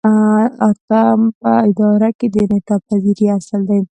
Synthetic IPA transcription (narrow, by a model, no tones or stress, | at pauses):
aɾt̪ampəɪd̪ɑɾaked̪ənaʈɑpaziɾiasəld̪aj